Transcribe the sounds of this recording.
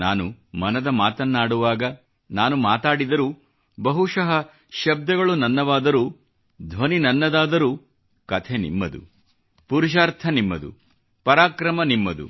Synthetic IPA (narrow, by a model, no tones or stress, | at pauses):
naːnumɐnɐd̪ɐmaːt̪ɐnːaːɽuʋaːɡɐ | naːnumaːt̪aːɽid̪ɐɾuː | bɐɦuʃɐɦɐ | ʃɐb̚d̪ɐɡɐɭunɐnːɐʋaːd̪ɐɾuː | d̪ʱʋɐninɐnːɐd̪aːd̪ɐɾuː | kɐt̪ʰenḭmːɐd̪ṵ | puɾuʃ̬aːɾt̪ʰɐnimːɐd̪ṵ | pɐɾaːkɾɐmɐnimːɐd̪ṵ